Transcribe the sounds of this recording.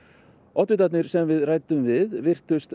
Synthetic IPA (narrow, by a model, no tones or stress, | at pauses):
ɔht̪vɪt̪at̪nɪɾ̥sɛmvɪðraːjt̪ʏmvɪðvɪr̥t̪ʏst̪